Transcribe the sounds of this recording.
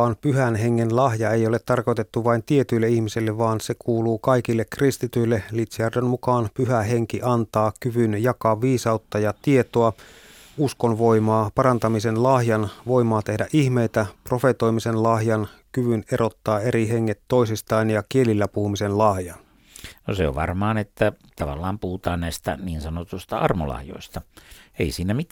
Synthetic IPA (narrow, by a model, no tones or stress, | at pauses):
ɑːnpyɦænɦe̞ŋːenlɑhjɑe̞jolet̪ːɑrko̞jt̪et̪ːuʋɑint̪ie̞t̪yilːeihmisilːeʋɑːnse̞kuːluːkɑikilːekrist̪it̪yilːelit̪seærdønmukɑːnpyɦæɦe̞ŋkiʔɑnt̪ɑːkyʋynjɑkɑʋiːsɑut̪ːɑjɑt̪ie̞t̪oɑ | uskonʋoimɑːpɑrɑnt̪ɑmisenlɑhjɑnʋoimɑːt̪ehdæʔihmeit̪æpro̞fet̪o̞jmisenlɑhjɑnkyʋyneɾʔo̞t̪ːɑːeɾiɦeŋːet̪ːoisist̪ɑːnjɑkielilːæpuhumisenlɑhjɑn | no̰seo̰ʋʋɑ̰rmɑːnet̪ːæt̪ɑʋɑ̰lːɑːmpuhut̪ɑːnnæist̪æ̰niːnsɑnot̪ust̪ɑɑrmo̰lɑ̰hjo̰ist̪ɑḛisiːnæmit̪ː